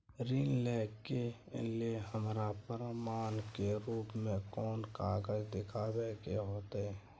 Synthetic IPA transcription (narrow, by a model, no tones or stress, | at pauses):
ɾiːnlɛːkːe | lieɦəmɾapəɾmaːnkeɾuːpmẽkɔːnkaːɡəd͡ʒd̪ɪkʰabekeɦoːt̪ɛ